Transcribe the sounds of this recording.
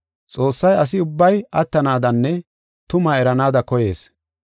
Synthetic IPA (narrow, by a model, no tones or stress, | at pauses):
t͡sʼo̞ːsːɐjɐs̬ɪʊbːɐjɐt̪ːɐnaːd̪ɐnːɛ | t̪ʊmɐɛɾɐnaːd̪ɐkɔje̞ːs